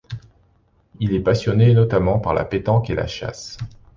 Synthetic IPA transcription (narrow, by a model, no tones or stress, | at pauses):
ilɛpasjɔnenɔt̪amɑ̃paʁla̰pet̪ɑ̃kela̰ʃa̰s